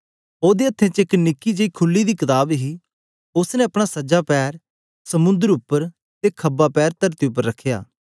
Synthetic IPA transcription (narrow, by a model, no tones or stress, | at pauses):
oːd̪eːət̪ʰːẽːt͡ʃɪknɪkːid͡ʒeiːkʰʊlːid̪iːkɪt̪aːbɦiː | ʊsnɛ̃ɐpɽ̃aːsəd͡ʒaːpɛːɾ | səmʊ̃nd̪əɾʊpːəɾ | t̪eːkʰəbːaːpɛːɾt̪əɾt̪iʊp̬ːəɾːəkʰːja̰ː